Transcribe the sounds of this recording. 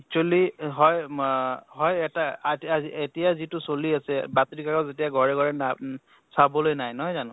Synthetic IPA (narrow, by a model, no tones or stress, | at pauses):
ɛk̚t͡ʃualiɦɔj | ɦɔjɛtaaazietijazitʊsoliasɛbatɹikakɔzetijaɡʱɔɹɛɡʱɔɹɛna | sabɔlojnajnɔɦɔjzanʊ̃